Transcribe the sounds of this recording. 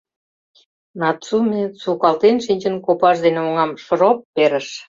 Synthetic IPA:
nɑt͡sumet͡sukɑlt̪enʃinʲt͡ɕənkopɑʃd̪eneoŋɑmʃɾopːeɾəʃ

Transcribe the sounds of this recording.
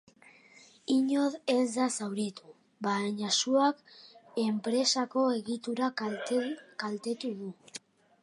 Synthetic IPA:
iɲoðe̞zd̪asawɾit̪u | βaeɲasuake̞mpɾe̞sako̞e̞ɣit̪uɾa | kalt̪e̞t̪uðu

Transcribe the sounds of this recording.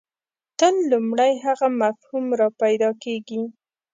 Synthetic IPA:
t̪ənlumɽajɦaɣamafhumɾɑpajd̪ɑkeɡi

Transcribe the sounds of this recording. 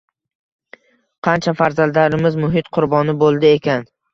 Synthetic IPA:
qʰɑnt͡ʃʰafaɾzald̪aɾɪmɪzmʊɦɪt̪qʰʊɾbɒnɪbolˠd̪ɪekʲan

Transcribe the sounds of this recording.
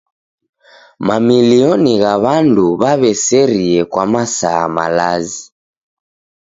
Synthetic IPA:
mamiliɔniɣaβanduβaβɛsɛɾiɛkwamasaːma̰lazi

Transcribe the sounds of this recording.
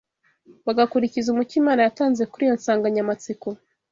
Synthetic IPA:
waɡakuɾicizumucimaːnajataːnze̞kuɾijo̞nsaːŋɡaɲamat͡siko

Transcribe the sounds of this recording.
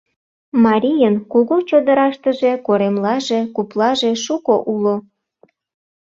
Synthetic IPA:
mɑɾʲijənkuɣut͡ɕod̪əɾɑʃt̪əʒekoɾemlɑʒekuplɑʒeʃukoʔulo

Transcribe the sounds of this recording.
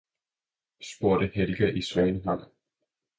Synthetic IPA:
sb̥o̝ɐ̰ɾ̥əhel̥ɡ̥æʔisʋɛːnəɦɑŋ̰

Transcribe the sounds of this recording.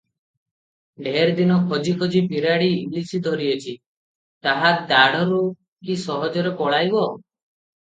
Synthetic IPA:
ɖʱeɾd̪inɔkʰɔd͡ʒikʰɔd͡ʒipʰiɾaɽiːlisid̪ʱɔɾiɔt͡ʃʰi | t̪aɦad̪aɽ̤ɔɾu | kisɔɦɔd͡ʒɔɾepɔɭajbɔ

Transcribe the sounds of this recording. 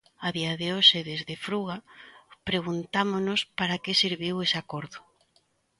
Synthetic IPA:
aðiaðɪoʃɪðezðɪfɾuɣapɾeɣunt̪amonʊspaɾakesiɾβiwesakoɾðʊ

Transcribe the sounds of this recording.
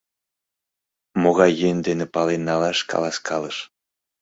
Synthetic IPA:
moɣɑjːenʲd̪enepɑlenːɑlɑʃkʰɑ̰lɑskʰɑləʃ

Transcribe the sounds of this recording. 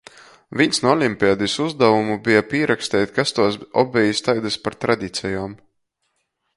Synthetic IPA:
viɲʲsnuɔlʲimʲpʲiad̪isuzd̪avumubijapiːɾʔaksʲt̪ɛːjt̪ʲkast̪uɔsɔbʲɛjist̪ajd̪aspaɾt̪ɾad̪ʲiːt̪sʲɛjoːm

